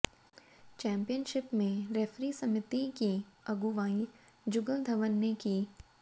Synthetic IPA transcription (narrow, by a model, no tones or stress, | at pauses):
t͡ʃɛ̃ːmpijənʃɪpmẽɾefɾisɐmɪt̪ikiɐɡuʋaːĩd͡ʒʊɡəd̪ʱɐʋənːeki